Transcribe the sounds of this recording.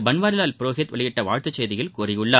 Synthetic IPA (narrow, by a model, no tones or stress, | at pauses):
bɐnʋaːɾɪlaːlpɪɾoːɣɪt̪ʋʔɐ̰ɭɪjɪʈːɐʋaːɻt̪ɐt͡ʃːeːðɪɣɐlkuːɾɪjɯɭːaː